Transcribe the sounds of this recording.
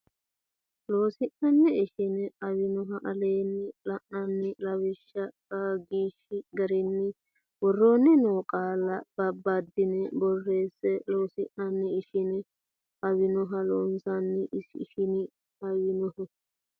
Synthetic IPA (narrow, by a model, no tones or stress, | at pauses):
loːsɪʔnɐnːɛɪʃɪnɛɐwɪnɔɦɐʔɐleːnːɛlɐʔnɐnːɪlɐwɪʃːɐkʼaɡiːʃːɪɡɐɾɪnːɪ | wɔrːonːɪnoːkʼaːlɐb̥ɐbːad̪ɪnɛbɔrːeːsːɛloːsɪʔnɐnːɛɪʃɪnɛ | ɐwɪnɔɦɐlɔːnsɐnːɛʔɪʃɪnɪ | ɐwɪnɔhɔ